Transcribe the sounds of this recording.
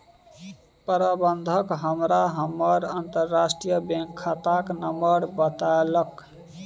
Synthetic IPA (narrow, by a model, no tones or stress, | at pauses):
pəɾabənd̪ʱəkɦəmɾaɦəmːəɾənt̪əɾːasʈɾijəbẽŋkʰːat̪aknəmbəɾbət̪aelək